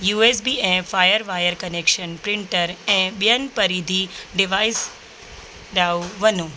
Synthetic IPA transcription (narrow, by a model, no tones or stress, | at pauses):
juːes̬biɛ̃faːjəɾʋaːjəɾkɐnekʃənpɾɪ̃ɳʈəɾɛ̃ɓjənpɐɾiːd̪ʱiɖɪʋaːɪs | ɗaːuʋənũ